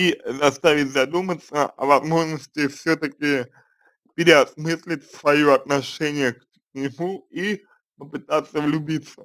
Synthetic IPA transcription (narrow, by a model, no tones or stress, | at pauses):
izɐst̪avʲɪtʲzɐd̪umət̪səɐ̰vɐzmo̞ʐnəsʲtʲɪfsʲɵt̪əkʲɪ | pʲɪɾʲɪɐsmɨsʲlʲɪtʲsvɐjoɐt̪̚nɐʂɛnʲɪjək | nʲɪmui | pəpɨt̪at̪sːəvlʲʊbʲit̪sə